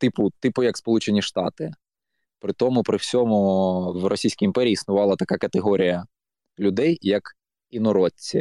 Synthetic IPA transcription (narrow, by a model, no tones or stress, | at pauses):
t̪ɪpʊt̪ɪpʊjɐkspɔlˠut͡ʃenʲiʃt̪ɑ̰t̪ɪ | pɾɪt̪ɔmʊpɾɪwsʲɔmʊwrɔsʲijsʲkʲijimpɛɾʲiːsnʊʋɑlˠɐt̪ɐkakɐt̪eɦɔɾʲijɐ | lʲʊd̪ɛjjɐk | inɔɾɔt͡sʲːi